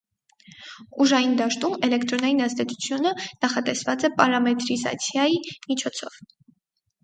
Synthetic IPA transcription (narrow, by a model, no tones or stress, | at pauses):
uʒɑjind̪ɑʃt̪umɛlɛkt̪ɾɔnɑjinɑzt̪ɛt͡sʰu̥t͡sʰjunənɑχɑt̪ɛsvɑt͡sɛpɑɾɑmɛt̪ɾizɑ̰t͡sʰjɑjimit͡ʃʰɔt͡sʰɔ̰v̥